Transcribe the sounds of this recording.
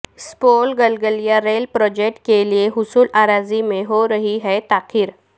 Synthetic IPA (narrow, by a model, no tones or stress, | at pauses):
spolɡəlɡəlijaɾelpɾɔd͡ʑek̚ʈkelieɦusuːlaɾad͡zimeɦoɾəɦiɦɛt̪akʰiːɾ